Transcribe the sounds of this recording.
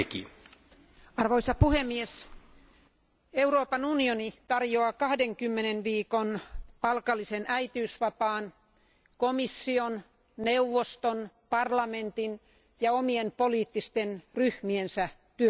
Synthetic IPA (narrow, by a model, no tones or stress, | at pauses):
ekḭ | ɑrʋoisɑpuhemːies | euroːpɑnunionit̪ɑrjoɑkɑhdeŋkymːenenʋiːkonpɑlkɑlːisenʔæit̪iysʋɑpɑːn | komisːion | neuʋːost̪on | pɑrlɑment̪in | jɑomienpoliːt̪ːist̪enryhmiensæ | t̪yø